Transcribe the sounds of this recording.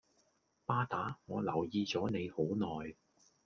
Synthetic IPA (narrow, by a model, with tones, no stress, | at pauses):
paː˧t̪aː˨˥ŋɔː˨˧lɐ˨˩wjiː˧t͡sɔː˨˥ne˨˧jho˨˥wnɔː˨j